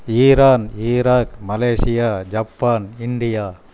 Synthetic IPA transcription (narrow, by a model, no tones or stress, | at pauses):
iːɾaːniːɾaːkmɐleːsɪjaːd͡ʒɐpːaːnɪɳɖɪjaː